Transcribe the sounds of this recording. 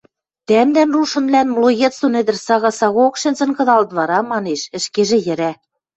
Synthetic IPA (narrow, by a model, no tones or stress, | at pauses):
t̪æmd̪ænruʃɤ̆nβlænmloɣet̪sonɘ̆d̪ɘ̆rsɑɣɑsɑɣookʃɘ̆nzɘ̆nkɤ̆ðɑlt̪βɑɾɑmɑneʃɘ̆ʃkeʒĕjɘ̆ɾæ